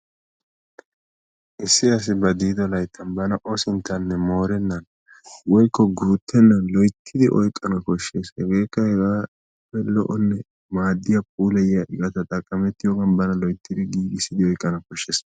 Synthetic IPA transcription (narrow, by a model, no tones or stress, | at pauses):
ʔɪsːɪɐs̬ɪbɐd̪iːd̪ɔlɐjt̪ʰːɐnbɐnɐʔɔsɪnt̪ʰːɐnːɛmoːɾɛnːɐn | wɔjkːɔɡuːt̪ʰːɛnːɐnlɔjt̪ʰːɪd̪ɪʔɔjkʼːɐnɐkɔʃːe̞ːshɛɡe̞ːkːɐhɛɾaː | ɪpːɛlɔ̰ʔɔnːɛ | maːd̪ːɪjapʼuːlɛjɐʔɪɡʼɐt̪ɐt̪ʼɐkʼːɐmɛt̪ːɪjoːɡɐnbɐnɐlɔjt̪ʰːɪd̪ɪɡiːɡɪsːɪd̪ɪɔjkʼːɐnɐkɔʃːeːs